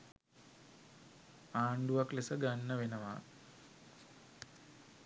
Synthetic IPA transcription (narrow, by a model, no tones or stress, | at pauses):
aːɳɖuʋɐklesɐɡɐnːɐʋenɐʋa